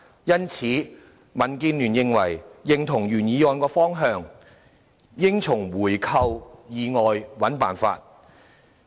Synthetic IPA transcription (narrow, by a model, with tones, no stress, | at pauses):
jɐ˥nt͡sʰiː˨˥ | mɐ˨˩nkiː˧nlyː˨˩njɪ˨˧ŋwɐ˨˩jjɪ˨˧ŋt̪ʰʊ˨˩ŋjyː˨˩njiː˨˧jɔː˨˧nkɔː˧fɔː˥ŋɦœː˧ŋ | jɪ˥ŋt͡sʰʊ˨˩ŋwuː˨˩jkʰɐ˧wjiː˨˧ŋɔː˨jwɐ˨˥npa̰ː˨˩nfa̰ː˧t̚